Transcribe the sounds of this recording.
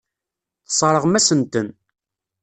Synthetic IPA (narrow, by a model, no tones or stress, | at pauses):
θsˤɾˤəʁmæsənt̪ən